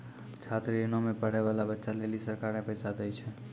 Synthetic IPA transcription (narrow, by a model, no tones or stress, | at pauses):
t͡ʃʰat̪ɾienõmẽpəɽ̤ɛʋalabətːʃalelisəɾkaɾnepəjsad̪ɛjt͡ʃʰɛ